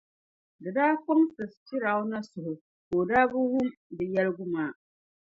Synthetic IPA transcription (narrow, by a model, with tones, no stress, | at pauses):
dɨ˨daː˦ko˦ŋtɨ˨stɪ˦ɾa˨˦ʊ˦na˦sʊ˨hʊ˨ | ko˨daː˦bʊ˦hʊ˦mdɨ˨jɛ˦lɨ˦ɡʊ˦maː˦